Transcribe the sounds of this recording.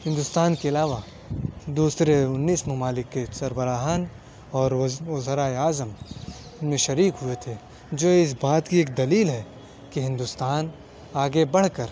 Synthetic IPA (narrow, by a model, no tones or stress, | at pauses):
hɪ̃nd̪ʊst̪aːnkeɐlaːʋa | d̪uːsɾeʊnːiːsmɐmaːlɪkːesɐɾbəɾaːɦaːn | ɔːɾozəɾaːeaːzəmnmẽʃɐɾiːkɦʊet̪ʰe | d͡ʒoːeɪs̬baːt̪kieːk̚d̪ɐliːlɦɛ | kiɦɪ̃nd̪ʊst̪aːn | aːɡebɐɽ̤kɐɾ